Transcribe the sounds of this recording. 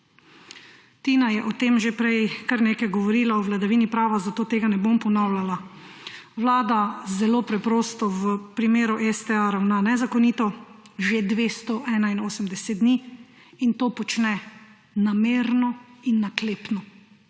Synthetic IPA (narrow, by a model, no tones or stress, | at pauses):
t̪inajɛʔɔt̪eːmʒepɾɛjkaɾneːkajɡɔʋɔɾiːlaɔʋlad̪aʋiːnipɾaːʋazat̪oːt̪eːɡanɛbompɔnawlʲala | ʋlaːd̪azɛlopɾɛpɾoːst̪ɔwəpɾimeːɾuʔɛst̪ɛaɾawnanɛzakɔniːt̪ɔʒed̪ʋeːst̪ɔʔɛːnainoːsəmd̪ɛsɛt̪̚d̪niː | int̪oːpɔt͡ʃnɛ | nameɾnɔinːakleːpnɔ